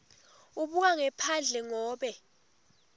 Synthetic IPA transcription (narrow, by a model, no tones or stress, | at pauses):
uɓuk̬aŋɛpʰand͡ɮʱɛŋɔːɓɛ